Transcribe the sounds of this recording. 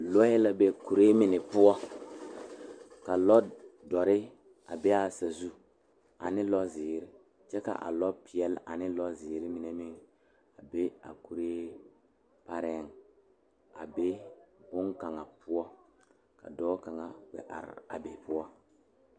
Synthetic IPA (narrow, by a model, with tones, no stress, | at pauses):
lɔ˦jɪ˦la˦be˦ku˨ɾe˦mɪ˨nɪ˨pʊ˦ɔ˦ | ka˨lɔ˦dɔ˨ɾɪ˦ | a˨bɛ˦a˦sa˨zu˦ | a̰˨nɪ˦lɔ˦zɪː˨ɾɪ˦ | t͡ʃɛ˦ka̰˨ʔa̰˨lɔ˦pɪ˨ɛ˨la̰˨nɪ˦lɔ˦zɪː˨ɾɪ˦mi˨ne˨mi˦ŋ | a˨be˦a̰˨ku˨ɾeː˦ | pa˦ɾɛ˦ŋ | a˨be˦bʊ˦ŋka˨ŋa˨pʊ˦ɔ˦ | ka̰˨dɔː˦ka˨ŋa˨wɛ̰˨ʔa̰˨ɾ̰a˨be˨pʊ˦ɔ˦